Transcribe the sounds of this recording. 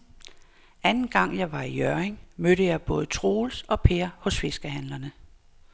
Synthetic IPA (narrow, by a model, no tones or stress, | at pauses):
ænn̩ɡ̥ɑ̈ŋ̰jɑ̈ɪʋɑ̈ijœɐeŋmøɾəjɑ̈ɪb̥ɔ̽ːð̞̩ˠət͡sʰʁo̝ːlsɒ̽pʰe̝ɐhɔ̽sfe̝sɡ̥əhænlɐnə